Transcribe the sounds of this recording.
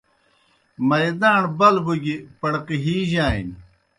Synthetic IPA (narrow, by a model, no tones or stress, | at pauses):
mɐɾd̪aːɳbɐlbuɡipɐɽqiɦiːʑaːḭn